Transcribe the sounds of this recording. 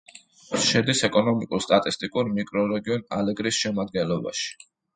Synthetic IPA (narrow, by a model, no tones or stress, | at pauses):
ʃɛd̪isɛkʼɔnɔmikʼuɾst̪ʼat̪ʼist̪ʼikʼuɾmikʼɾɔɾɛɡiɔna̰lɛɡɾisʃɛmad̪̚ɡɛnlˠɔba̰ʃi̥